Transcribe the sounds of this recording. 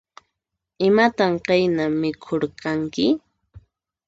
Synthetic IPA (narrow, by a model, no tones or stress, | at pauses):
ɪmat̪amqɑjnamɪkʰoɾqɑŋkɪ